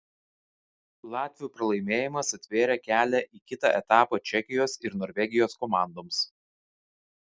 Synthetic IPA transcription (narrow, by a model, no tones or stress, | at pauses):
lˠɑːt̪ʲʋʲɪjuːpɾɐlˠɐɪmʲeːjɪmɐsɐt̪ʲʋʲeːɾʲɛkʲæːlʲɛʔiːkʲɪt̪ɑ̰ʔɛt̪ɑːpɑt͡ʃʲɛkʲɪjoːsɪɾnɔːɾʲʋʲɛɡʲɪjoːskɔmɑˑnd̪oːms